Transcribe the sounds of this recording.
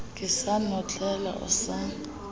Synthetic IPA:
kʼɪsanɔt͡ɬʼɛla̰ʔʊ̰sa

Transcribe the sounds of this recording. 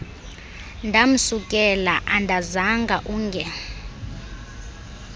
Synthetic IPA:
ndʱam̩sukʼɛlaʔandʱazaŋɡʱaʔuːŋɡʱɛ

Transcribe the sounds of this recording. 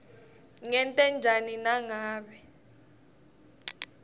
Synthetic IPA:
ŋɛntʼɛnd͡ʒʱaninaŋaːɓɛ

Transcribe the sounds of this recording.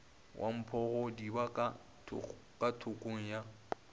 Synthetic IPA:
wʔa̰m̩pʰɔɣɔdibaka | kʼatʰʊkʼoŋ̩ja

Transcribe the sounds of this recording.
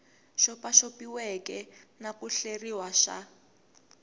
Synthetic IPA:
ʃɔpaʃopiwɛkɛnakuɬeriwaʃa̰

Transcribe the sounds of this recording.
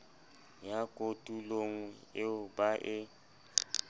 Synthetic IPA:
jakʼotʼuloŋ̩ɪʊbaʔɪ

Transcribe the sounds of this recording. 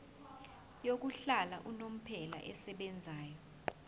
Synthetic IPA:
jok̬uɬalaʔunom̩pʰɛla̰ʔɛsɛɓɛnd͡zʱaːjɔ

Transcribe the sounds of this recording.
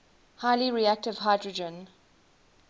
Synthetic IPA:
haɪliɹiæk̚tɪv̥ɦaɪdɹɔd͡ʒə̃n

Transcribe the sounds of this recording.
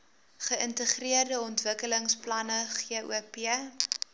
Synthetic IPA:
χəəntəχriərdəɔntvəkələŋsplɐnəχiṵəpiə

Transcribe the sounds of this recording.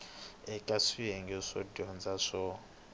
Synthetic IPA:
ɛkʼasijɛŋɡɛʂɔdɔnd͡zaʂɔ

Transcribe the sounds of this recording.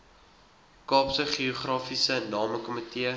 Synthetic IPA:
kɑːpsəχioχrɑːfisənɑːməkɔmətiə

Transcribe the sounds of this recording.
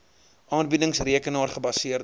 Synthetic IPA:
ʔɑːnbidəŋsriəkənɑːrχəbɐsiər

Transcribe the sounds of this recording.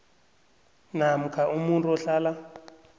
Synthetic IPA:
nam̩kʰaʔumuntʼuɔɬaːla

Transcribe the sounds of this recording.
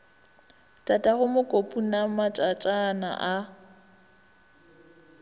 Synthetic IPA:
tʼatʼahʊmʊkʼopʼunamat͡ʃʼat͡ʃʼana̰ʔa

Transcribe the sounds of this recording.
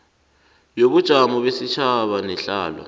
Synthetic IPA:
joβud̥ʒ̥ʱamɔβesit͡ʃʰaβanɛɬaːla̰

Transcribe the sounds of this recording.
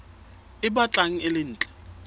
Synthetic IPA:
ɪɓat͡ɬʼaŋ̩ɪlɪn̩ːt͡ɬʼɛ̥

